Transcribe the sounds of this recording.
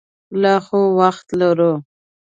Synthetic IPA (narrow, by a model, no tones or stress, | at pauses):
lɑxowaxt̪laɾo